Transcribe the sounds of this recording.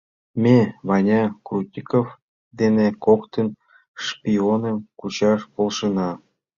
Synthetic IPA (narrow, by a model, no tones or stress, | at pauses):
mʲeβɑnʲɑkrut̪ʲikof | d̪enekokt̪ən | ʃpʲionə̆mkut͡ɕɑʃpolʃənɑ